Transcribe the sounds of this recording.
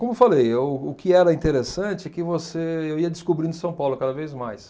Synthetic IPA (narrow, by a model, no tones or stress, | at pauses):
kõmʊfalejɛʊʊkɪɛɾɐĩt̪eɾesɐ̃t͡ʃɪɛkɪvoseewiɐd͡ʒɪskubɾĩnʊsɐ̃w̃pawlʊkad̪ɐvejzmajs